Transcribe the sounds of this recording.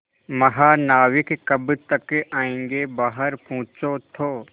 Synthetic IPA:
mɐɦaːnaːwɪkkɐbt̪ɐkːʔaːẽːŋɡebaːɦəɾpũːt͡ʃot̪ʰoː

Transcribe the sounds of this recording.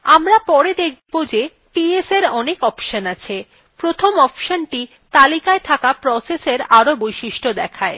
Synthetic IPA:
amɾapɔɾed̪ek̚ʰbod͡ʑe | ʈieseɾɔnekɔpʃanat͡ɕʰe | pɾot̪ʰomɔpʃanʈi | t̪alikaet̪ʰakapɾɔseseɾaɾobojʃiʃʈod̪ɛkʰae

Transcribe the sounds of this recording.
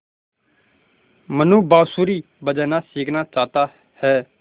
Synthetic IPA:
mənũːbaːsuːɾiː | bəd͡ʒɛːnaːsiːkʰnaːt͡ʃaːt̪aː | hɛː

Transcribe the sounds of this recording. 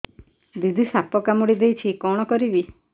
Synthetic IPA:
d̪id̪ʱisapɔkamuɽid̪ejt͡ʃʰikɔɽ̃ɔkɔɾibi

